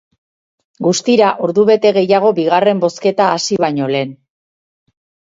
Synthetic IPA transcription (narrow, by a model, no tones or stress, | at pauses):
ɡust̪iɾaʔoɾðuβe̞t̪e̞ɣe̞jaɣ̞o̞biɣare̞mbo̞ske̞t̪aːsiβajɲo̞le̞ːn